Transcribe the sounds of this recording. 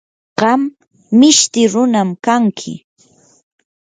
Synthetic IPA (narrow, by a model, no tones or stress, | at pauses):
ɢɑmː | ɪʃt̪ɪɾʊnamkaŋkʰɪ̰